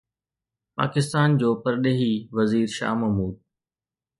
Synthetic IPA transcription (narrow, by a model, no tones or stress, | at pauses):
pa̰ːkɪst̪aːnd͡ʑoːpɐɾɗeːɦiʋɐziːɾʃa̰ːɦmɐmuːd̪̚